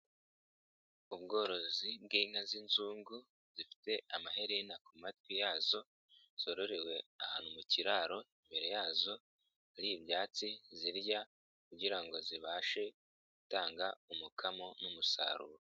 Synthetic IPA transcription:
uβɡo̞ːɾo̞zib̚ɡiːŋazinzuːŋɡu | z̥ifi̥te̞ʔamaɦe̞ɾenakumat̚wijaːzo̞ | z̥o̞ɾo̞ɾewe̞ahaːnumuciɾaːɾo̞imbe̞ɾe̞jaːzo̞ | aɾiːβjaːt͡siziɾja | kuɟiɾaŋɡo̞ziβaːʃe̞ | ɡ̥utaːŋɡaumukʰamo̞numusa̰ɾṵːɾo

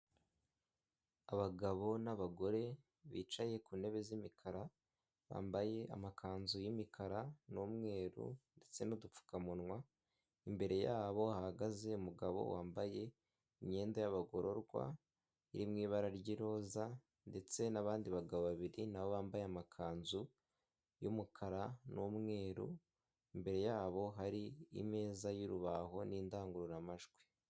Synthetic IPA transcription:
aβaɡaβo̞naβaɡo̞ɾe̞ | βḭːt͡ʃaje̞kuːne̞βe̞zimikʰaɾa | βa̰ːmbaje̞ʔa̰makʰaːnzujimikʰaɾanuːmŋe̞ːɾṵnde̞t͡se̞nudup͡fu̥kamunŋwa | imbe̞ɾe̞jaːβo̞ahaɡaze̞umuɡaβo̰waːmbaje̞ | imɲe̞ːndajaβaɡo̞ɾo̞ɾɡwa̰ | iɾimŋiːβaɾaɾɟiɾo̞ːza | nde̞t͡se̞naβaːndiβaɡaβoβaβiɾinaβoβaːmbajamakʰaːnzu | jumukʰaɾanumŋe̞ːɾṵ | imbe̞ɾe̞jaːβo̞ɦaɾiḭme̞ːzajuɾuβaɦo̞niːndaːŋɡuɾuɾamaʒɡwe̥

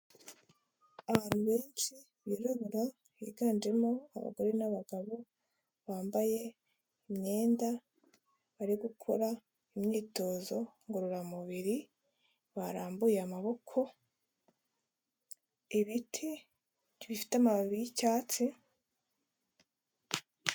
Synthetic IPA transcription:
aβaːn̥huβe̞ːnʃi | βiːɾaβuɾa | βḭːɡaːnd͡ʒe̞moa̰βa̰ɡo̞ɾe̞naβaɡaβo̞ | βaːmbaje̞ | imɲe̞ːnda | βaɾiɡukʰo̰ɾa | imɲiːto̞ːzo̞ŋɡoɾuɾamuβiɾi | βaɾaːmbujeamaβo̞kʰo̞ | iβitʰi | βifi̥tamaββiicaːt͡si

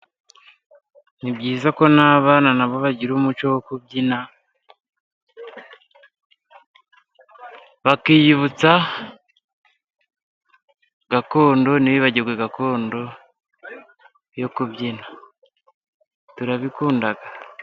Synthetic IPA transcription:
nibɟiːzako̞naːβaːnanaβo̞βaɟiɾuːmut͡ʃo̞wokubɟina | βakijiβut͡sa | ɡako̞ːndo̞niβiβaɟiɾɡweɡako̞ːndo̞ | jo̞kuβɟina | tuɾaβikuːndaɡa

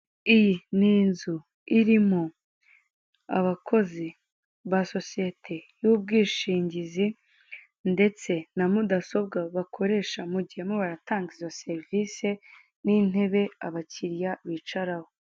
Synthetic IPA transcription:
ijiniːnzu | iɾimo | a̰βakʰo̞zi | βaso̞sije̞tʰe̞juːb̚ɡiːʃiːɲɟizi | nde̞t͡se̞namudaso̞b̚ɡaβakʰo̞ɾe̞ːʃamuɟihemoβaɾataːŋɡizose̞ɾvise̞ | nin̥e̞βe̞aβaciɾjaβit͡ʃaɾaho

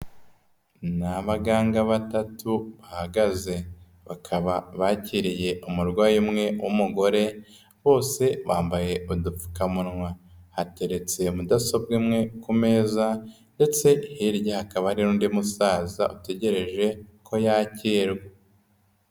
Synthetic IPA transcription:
naβaɡaːŋɡaβatatuβahaɡaze̞ | βakʰaβaβaciɾije̞ʔumuɾɡwaːjimŋe̞wʔomuɡo̞ɾe̞ | βo̞ːse̞βaːmbaje̞udufu̥kamunŋwahate̞ɾe̞t͡se̞mudaso̞b̚ɡimŋe̞kume̞ːza | nde̞t͡se̞hiɾjahakaβahaɾiɾuːndimusaːza̰ʔute̞ɟe̞ɾe̞ʒe̞kʰo̞jaciːɾɡe

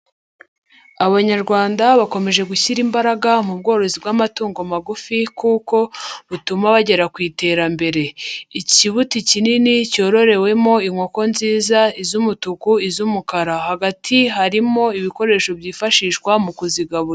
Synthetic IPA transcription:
aβaɲaɾɡwaːndaβako̞me̞ʒe̞ɡuçiɾimbaɾaɡamub̚ɡo̞ːɾo̞zibɡamatuːŋɡomaɡufikuːko̞βutumaβaɟe̞ɾakwiːte̞ːɾambe̞ɾe̞iciβuticininico̞ɾo̞ɾe̞we̞mo̞iŋwo̞ko̞nziːzaizumutukuizumukaɾahaɡatʰiɦaɾimo̞iβiko̞ɾe̞ːʃo̞bjiːfaʃiːʃkwamukuziɡaβuɾ

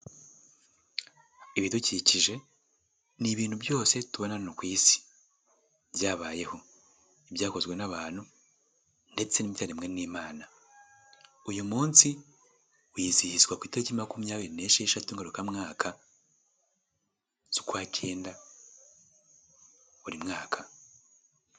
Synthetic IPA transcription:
iβiduciciʒe̞ | niβiːn̥hubjo̞ːse̞tuβo̞nanokwiːsi̥ | bjaːβaːje̞ho̞ | ibjaːko̞zɡwe̞naβaːn̥hu | nde̞t͡se̞nimitaɾimŋe̞niːmaːna | ujumuːnsi | wiːzihizɡwakwiːteɾecimakumujaːβiɾine̞ʃeeʃatuŋɡaɾukamŋaːkʰa | z̥ukwaːcʰe̞ːnda | uɾimŋaːkʰa

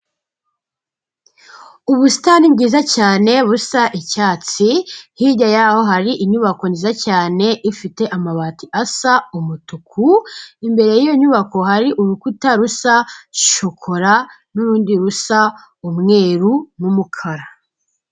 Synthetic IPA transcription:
uβusi̥tanibɡiːzacaːne̞βusaʔicaːt͡sihiɟajaho̞ɦaɾiʔiɲuβako̞niːzacaːne̞ʔifite̞ʔamaβatiʔasaumutukʰuimbe̞ɾe̞jijo̞ɲuβako̞ɦaɾiʔuɾukutaɾusaʃokʰo̞ɾa | nuɾuːndiɾusa | umŋe̞ːɾunumukʰaɾa

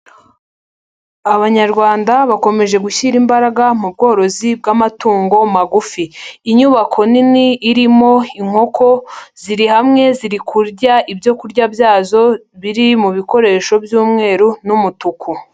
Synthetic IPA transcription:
aβaɲaɾɡwaːndaβako̞me̞ʒe̞ɡuçiɾimbaɾaɡamub̚ɡo̞ːɾo̞zib̚ɡamatuːŋɡo̞maɡufiːɲuβakʰo̞niniːɾimo̞iŋ̥o̞kʰo̞z̥iɾihamŋe̞ziɾikʰuɾɟaʔibjo̞kuɾɟabjaːzo̞ | βiɾimuβiko̞ɾe̞ːʃo̞bjuːmŋe̞ːɾunumutukʰu

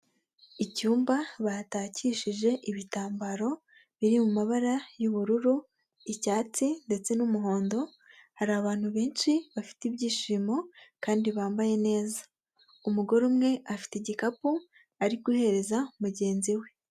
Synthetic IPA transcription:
icuːmbaβataːciːʃiʒe̞ʔiβitaːmbaɾo̞ | βiɾimumaβaɾajuβuɾuɾu | icaːt͡sinde̞t͡se̞numuɦo̞ːndo̞ | haɾaːβaːn̥huβe̞ːnʃiβafi̥tiβjiːʃimo̞kaːndiβaːmbaje̞ne̞ːza | umuɡo̞ɾumŋe̞ʔafi̥teɟikapu | aɾiɡuhe̞ɾe̞zamuɟe̞ːnziwe̞

